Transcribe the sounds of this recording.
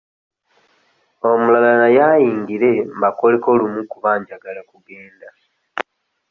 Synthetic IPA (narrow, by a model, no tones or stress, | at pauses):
o̞mulalalajaːjiːŋɡiɾe̞mbako̞le̞ko̞ːlumukuβaːɲɟaɡalakuɡe̞ːnda